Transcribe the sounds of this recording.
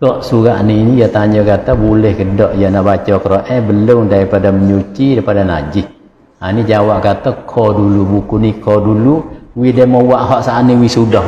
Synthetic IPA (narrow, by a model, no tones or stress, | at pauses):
sɔʔsuɣaʔninijat̪aɲɔkat̪abulɛhkədɔʔjanaʔbat͡ʃɔkəɾoʔɛhbəlʊŋdaɾipadaməɲut͡ʃiɾapadana̰d͡ʒɪh | anid͡ʒawaʔkat̪akʰɔdulubukunikʰɔduluwidɛmɔwaʔɦɔʔsaʔaniwisudɔh